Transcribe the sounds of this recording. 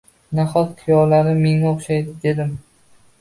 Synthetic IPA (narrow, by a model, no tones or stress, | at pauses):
naχɒt̪qʰɪjɒwlaɾnɪmeŋnaoχʃajd̪ɪd̪e̞d̪ɪm